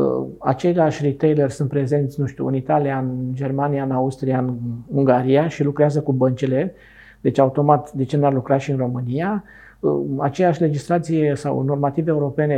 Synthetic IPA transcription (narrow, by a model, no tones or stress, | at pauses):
ə̰a̰t͡ʃe̞laʃʲrit̪ejlerʲsunt̪pɾe̞ze̞nt̪sʲnũʃt̪ʲṵɨnit̪aliaɨnd͡ʒe̞rmanijaɨnaust̪ɾiaɨnuŋɡaɾiaʃilukɾeazəkubənt͡ʃele̞ | d̪e̞t͡ʃaut̪o̞mat̪d̪e̞t͡ʃe̞narlukɾaʃiɨnro̞mɨnija | əat͡ʃejaʃʲle̞d͡ʒist̪ɾat̪sijesa̰wno̞rmat̪iveeuɾo̞pe̞ne̞